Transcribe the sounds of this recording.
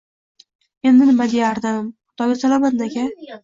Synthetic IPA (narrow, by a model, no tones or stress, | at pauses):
e̞nːɪnɪmad̪ejaɾd̪ɪmʊt̪ɒɡʲasalˠamat̪nakʲa